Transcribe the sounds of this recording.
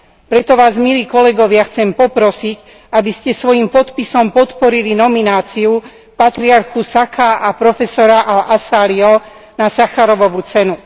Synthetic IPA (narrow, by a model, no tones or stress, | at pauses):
pɾɛt̪ɔʋaːzmiliːkɔlɛɡɔʋɪaxt͡sɛmpɔpɾɔsic | abiscɛsʋɔjimpɔt̪pisɔmpɔt̪pɔɾilinɔminaːt͡siu | pat̪ɾiaɾxusakaʔapɾɔfɛsɔɾaʔalʔasaːliɔ | nasaxaɾɔʋɔʋut͡sɛnu